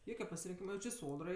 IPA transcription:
ˈjoːkʲɛ pɐsʲɪrʲɪŋʲˈkʲiːmɐ ˈjɛʊ t͡ʃʲɪ ˈsoːdrɐɪ

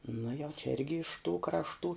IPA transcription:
nʊ jɛʊ t͡ʃʲɛ ˈɪrʲɡʲɪ ɪʃ tuː krɐʃˈtuː

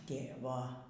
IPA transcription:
ˈtʲeːʋoː

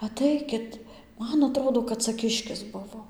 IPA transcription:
ɐˈtɐɪkʲɪt ˈmɐn ɐˈtroːdoː kɐt ˈt͡sɐ ˈkʲɪʃʲkʲɪs ˈbʊʋoː

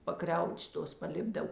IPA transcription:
pɐˈkrʲɛʊt͡ʃ ˈtoːs pɐˈlʲɪbdɐw

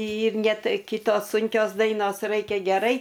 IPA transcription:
ɪr ˈnʲɛ ˈtɐɪ ˈkʲɪtoːs ˈsʊŋʲkʲoːs ˈdɐɪnoːs ˈrɐɪkʲɛ ɡʲɛˈrɐɪ

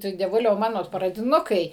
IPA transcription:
ˈtʊ dʲiɛˈʋʊlʲɛʊ ˈmɑːnoː prɐdʲɪˈnʊkɐɪ

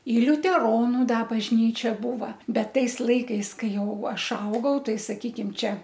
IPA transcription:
ɪ lʲʊtʲɛˈroːnʊ ˈdɐ bɐʒʲˈnʲiːt͡ʃʲɛ ˈbuːʋɐ ˈbʲɛt ˈtɐɪs ˈlˠɐɪkɐɪs ˈkɐɪ ˈjɛʊ ˈɐʃ ˈɐʊɡɐʊ ˈtɐɪ sɐˈkʲiːkʲɪm ˈt͡ʃʲɛ

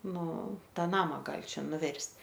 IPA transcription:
ˈnʊ ˈtɑː ˈnɑːmɐ ˈɡɐlʲ ˈt͡ʃʲɛ nʊˈʋʲɛrʲsʲtʲ

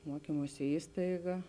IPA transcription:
muɔˈkʲiːmuɔsʲɪ ˈiːstɐɪɡɐ

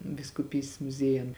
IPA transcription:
ʋʲɪskʊˈpʲiːsʲtʲeːs mʊˈzʲiɛjʊn

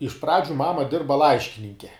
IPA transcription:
ɪʃ ˈprɑːd͡ʒʲʊ ˈmɑːmɐ ˈdʲɪrbɐ ˈlˠɐɪʃʲkʲɪnʲɪŋʲkʲɛ

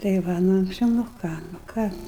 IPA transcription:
tɐɪ ˈʋɐ nʊ ɐŋksʲˈt͡ʃʲɛʊ nʊ ˈkɑː nʊ ˈkɑː

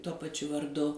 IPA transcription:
tuɔ pɐˈt͡ʃʲʊ ʋɐrˈdʊ

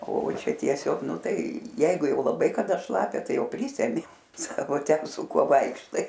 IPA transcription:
oː ˈt͡ʃʲɛ tʲiɛˈsʲoːk ˈnʊ ˈtɐɪ ˈjɛɪɡʊ ˈjɛʊ lˠɐˈbɐɪ kɐˈdɐ ˈʃlˠɑːpʲɛ ˈtɐɪ ˈjɛʊ ˈpʲrʲiːsʲɛmʲɪ ˈsɑːkoː ˈtʲɛn sʊ ˈkuɔ ˈʋɐɪkʃtɐɪ

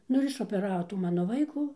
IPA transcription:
ˈnʊ ɪr ɪʃoːpʲɛˈrɑːʋoː ˈtuː ˈmɑːnoː ˈʋɐɪkuː

